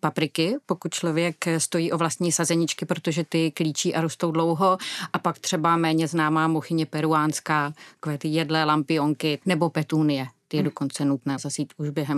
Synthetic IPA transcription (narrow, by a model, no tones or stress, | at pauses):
papɾɪkɪpo̞kut̪̚t͡ʃlo̞vjɛkst̪o̞jiːʔovlast̪ɲiːsazɛɲɪt͡ʃkɪpɾot̪o̞ʒɛt̪ɪkliːt͡ʃiːʔaɾost̪o̞wdlo̞wɦo̞ʔapakt̪r̝̥ɛbamɛːɲɛznaːmaːmoxɪɲɛpɛɾuaːnskaːt̪ḁkovɛːt̪ijɛdlɛːlampɪoŋkɪnɛbo̞pɛt̪uːnɪjɛt̪ɪjɛdo̞ko̞nt͡sɛnut̪nɛːzazjiːt̪ʔuʒbjɛɦɛm